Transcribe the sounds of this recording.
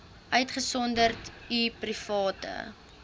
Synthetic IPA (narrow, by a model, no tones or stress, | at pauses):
ʔœɥtχəsɔndərtiprifɑːtə̰